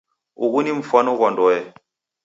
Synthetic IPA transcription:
uɣuniɱ̩fanɔɣɔndɔjɛ

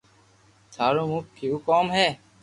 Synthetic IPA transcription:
t̪ʰaːɾoːmuːkkʰːiuːkoːmɦɛː

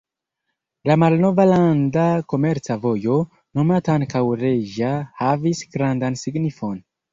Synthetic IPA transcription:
lamalno̞valandako̞meɾt͡savo̞jo̞ | no̞mataaŋkawɾe̞ʒahavisɡɾandansiɡnifo̞n

